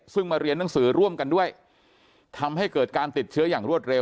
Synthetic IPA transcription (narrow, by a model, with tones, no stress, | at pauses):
sɯ˥˩ŋmaː˧ɾi˧ənːa˩˦ŋsɯː˩˦ɾu˥˩əmka˧ndu˥˩əj | t̪ʰa˧mɦa˥˩jkɤː˨˩t̪̚kaː˧nt̪i˨˩t̪̚t͡ɕʰɯ˦˥ɐjaː˨˩ŋɾu˥˩ət̪̚ɾe˧w